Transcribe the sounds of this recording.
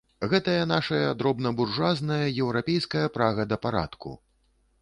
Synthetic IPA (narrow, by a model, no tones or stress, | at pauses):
ɣɛt̪ɐjɐn̪aʂɐjɐd̪ɾɔbnɐburʐaznɐjɐjɛwɾapʲejskɐjɐpɾaɣɐd̪ɐpaɾa̰t̪kṵ